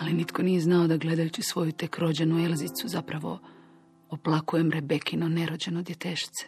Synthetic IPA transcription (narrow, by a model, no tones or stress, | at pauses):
alinit̪ko̞nijeznao̞d̪aɡle̞d̪ajut͡ɕisʋo̞jut̪e̞kɾo̞d͡ʑe̞nuelzit̪suzapɾaʋo̞̰ | oplˠakuje̞mɾebe̞kinoneɾo̞d͡ʑe̞nod̪je̞t̪eʃi̥t̪se̥